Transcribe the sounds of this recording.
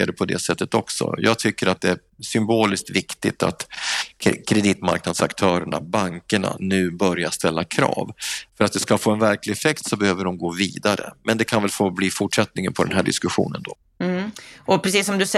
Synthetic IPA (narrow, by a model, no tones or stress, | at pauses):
ad̪əpʰɔd̪ɛ̰sɛt̪ːət̪ɔksɔ̰jɑ̰ːɡ̚t̪ʰʏkːəɾat̪̚d̪ɛæɾ | ʂʏmboːlɪsk̚t̪vɪkt̪ɪt̪a̰t̪ | kʰɾɛd̪iːt̪ma̰ɾknad̪sakt̪ʰœːɾəɳa̰baŋkəɳa̰nʉ̟ːbœɾjast̪ɛlːakʰɾɑ̰ːvfœɾat̪̚d̪ɛskafoːɛnvæɾklɪɛfɛkt̪sɔbɛhøːvəɖɔmɡoːviːd̪aɾə̰mʔɛnd̪ɛkʰanvɛlfoːbliːfʊʈʂɛt̪nɪŋənpʰɔd̪ɛ̰nɦæːɖɪ̰skɵɧṵːnənd̪ɔ | ɔpʰɾɛsiːsːɔmd̪ɵs